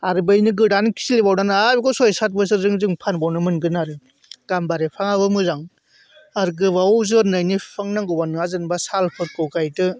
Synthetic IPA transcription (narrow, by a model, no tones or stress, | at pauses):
aɾɯbajnɯɡɯɽankʰi̥silibawnanɯabɡɔsɔjsat̚bɯs̬ɯzɯŋzɯŋpʰanbawnɯmɯnɡɯnaɾɯ | ɡ̥ambaɾepʰaŋabɯmɯzaŋ | aɾɡɯbawzɯnɯjnipʰaŋnaŋɡobanɯazɯnbasalpʰɯt̚kɯwkajtɯ